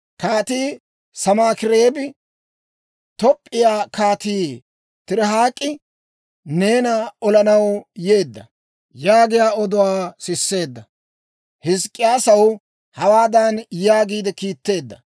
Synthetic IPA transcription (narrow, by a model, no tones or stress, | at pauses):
kaːt̪iː | sɐmaːkɪɾeːbɪ | t̪ɔpʼːɪjaːkaːt̪iː | t̪ɪɾɛɦaːkʼːɪ | ne̞ːnɐɔlɐnɐwje̞ːd̪ːɐ | jaːɡɪjaːɔd̪ʊwaːsɪsːe̞ːd̪ːɐ | hɪskʼːɪjaːsɐw | hɐwaːd̪ɐnjaːɡiːd̪ɛkiːt̪ːe̞ːd̪ːɐ